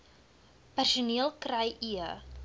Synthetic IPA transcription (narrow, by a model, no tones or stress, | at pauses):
pɛrsuniəlˠkrɐjʔiə